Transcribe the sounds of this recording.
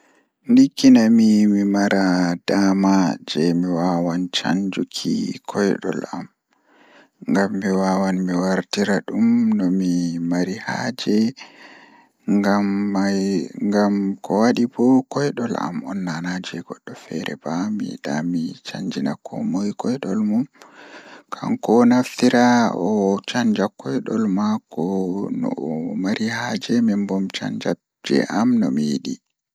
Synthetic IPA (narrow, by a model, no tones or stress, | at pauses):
ndikːinamimimaɾad̥amad͡ʒɛmiwawant͡ʃa̰ɲd͡ʒukʰikʰɔjɗɔ̰lam | ŋɡamːiwawanmiwaɾtiɾaɗumnɔmimaɾihaːd͡ʒɛ | ŋɡamːajŋɡamkʰɔwaɗibɔkɔjɗɔla̰mɔnːanad͡ʒɛɡɔɗːɔfɛɾɛbamḭɗamit͡ʃaɲd͡ʒinakʰɔmojkɔjɗɔlmum | kʰaŋkɔnaft̪iɾaɔt͡ʃaɲd͡ʒakɔjɗɔlmakɔnɔ̰maɾihad͡ʒɛmɛmbɔmt͡ʃa̰ɲd͡ʒa | d͡ʒɛ̰ʔamnɔmijiɗi